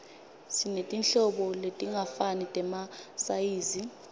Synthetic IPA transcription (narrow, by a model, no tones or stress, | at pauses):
sinetʼinɬɔɓɔletʼiŋafanitʼɛmasajiːzi